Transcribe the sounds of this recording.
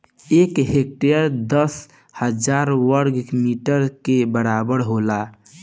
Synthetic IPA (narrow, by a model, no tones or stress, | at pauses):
eːkɦek̚ʈeəɾd̪əs | həd͡ʒaːɾwəɾɡmiʈəɾkebəɾaːbəɾɦola